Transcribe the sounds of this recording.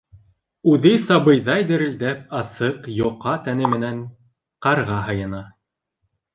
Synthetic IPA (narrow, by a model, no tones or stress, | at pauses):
ʉðɘsɑβɤ̆jðɑjd̪ɘ̆ɾɘ̆ld̪æp̚ɑsɤqjŏqɑt̪ænɘmɘ̆næɴ | qɑɾʁɑɦɤ̆jɤ̆nɑ